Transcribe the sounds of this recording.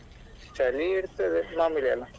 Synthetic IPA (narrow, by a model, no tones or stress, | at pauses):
t͡ʃaliiɽt̪ed̪emamilja̰lã